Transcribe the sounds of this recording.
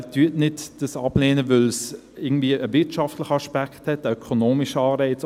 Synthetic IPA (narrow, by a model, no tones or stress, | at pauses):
tyːətnɪtd̥əsɑbleːnəvʏls | ɪɡən̩tviːəʔəvɪtʃɑftləχəɑʃpækthɛtəœkʰonoːmɪʃəɑːɾeɪt͡s